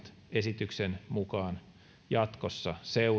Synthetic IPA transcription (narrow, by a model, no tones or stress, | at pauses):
t̪ | esit̪yksenmukɑːn | jɑt̪kosːɑseu